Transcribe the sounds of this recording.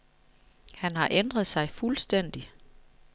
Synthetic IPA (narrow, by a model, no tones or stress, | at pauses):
hænhɑ̈ʔend̥ʁɐðˠsɑ̈ɪfulsd̥en̰d̥i